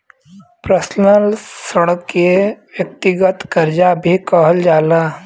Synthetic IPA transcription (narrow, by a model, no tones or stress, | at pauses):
pɾəsnəlsəɽəkjeʋjək̚t̪ɪɡət̪kɐɾd͡ʒabʱikɔɦəld͡ʒaːlaː